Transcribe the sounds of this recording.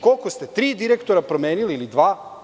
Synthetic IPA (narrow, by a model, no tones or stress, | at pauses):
ko̞lˠkost̪e̞t̪ɾiːd̪iɾekt̪oɾapɾo̞meːniliːlid̪ʋaː